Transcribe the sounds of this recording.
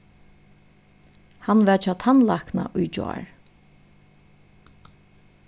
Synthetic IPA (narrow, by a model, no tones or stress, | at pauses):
hanʋɛɹt͡ʃʰaːt̪ʰanlakna̰ʔʊjd͡ʒɔ̰a̰ɹ